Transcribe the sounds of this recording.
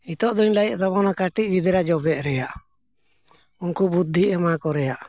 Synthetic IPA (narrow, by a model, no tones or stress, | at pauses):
it̪ɔʔd̪ɔɲlaɛʔsaβɔnakaʈiʔ̚ɾid̪ɛɾad͡ʒɔbɛʔ̪̚ɾɛjaʔ | unkubud̪ʱːiʔɛmakɔɾɛjaʔ